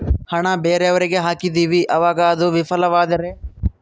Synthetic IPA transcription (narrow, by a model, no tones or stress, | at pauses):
hɐɳɐbeːɾeɐʋɐɾiɡe̞ɦaːkid̪iːʋiʔɐʋaːɡɐːd̪uʋifɐlɐʋaːd̪ɐɾe